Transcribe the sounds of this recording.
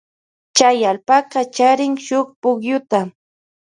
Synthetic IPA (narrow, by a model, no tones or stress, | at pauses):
t͡ʃajalpaqɑt͡ʃaɾɪŋʃʊχpʊkjʊt̪a